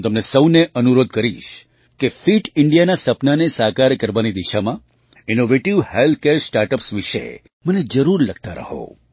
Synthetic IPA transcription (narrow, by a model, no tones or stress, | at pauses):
t̪əmnesəwneʔənuɾod̪̚kəɾiʃ | kefiʈɪɳɖijanasəpnanesakaɾkəɾʋanid̪iʃamã | inoʋeʈiʋhelt̪̚ʰkeɾsʈaɾʈəpsʋiʃḛ | məned͡ʒəɾuɾləɡ̚t̪aɾə̰ɦo̰